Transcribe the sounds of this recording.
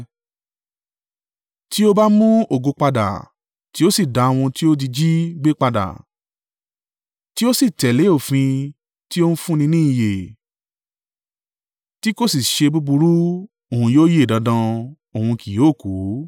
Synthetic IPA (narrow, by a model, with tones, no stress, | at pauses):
ti˦o˦ba˦mũ˦o˨ɡo˧k͡pa˧da̰˨ | ti˦o˦si˦˨da˧o˧w̃ũ˧ti˦o˦d̬i˧d͡ʒi˦ɡ͡be˦k͡pa˧da̰˨ | ti˦o˦si˦˨tɛ˨le˨˦o˦˨fĩ˧ | ti˦o˦n̩˦fũ˦nĩ˧nĩː˦i˨je˨ | ti˦ko˦si˨ʃe˧bu˦bu˧ɾu˦ | o˨ũ˧joː˦je˦e˦˨dã˨˧˦dã˧ | o˨hũ˧ki˨oː˨˦˨ku˨˦